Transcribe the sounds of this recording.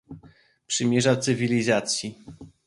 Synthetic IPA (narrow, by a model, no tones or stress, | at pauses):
pʂɘmʲjɛʐat̪sɘvʲilʲizat̪sʲji